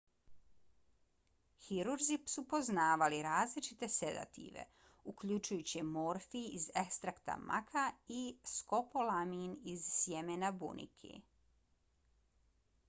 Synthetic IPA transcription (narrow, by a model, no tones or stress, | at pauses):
xiɾuɾzipsupo̞znaːʋaliɾaːzlit͡ʃit̪e̞sed̪a̰t̪ʰḭʋḛ | ukʎut͡ʃujut͡ɕimoɾfiizekst̪ɾakt̪a̰mʔa̰kʰaisko̞polaminizsjemenabṵnʔḭkʰḭ